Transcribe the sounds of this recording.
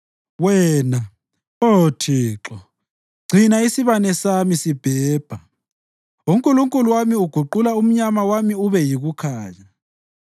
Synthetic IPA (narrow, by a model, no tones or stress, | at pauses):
wɛːna | otʰiːǁɔ | ɡ͡ǀʱinaisiβanɛsamisib̥ʱɛːb̥ʱa | uŋkʼuluŋkʼuluwamiuɡ̥ʱuǃulaum̩ɲamawamiuβɛjiɣukʰaːɲa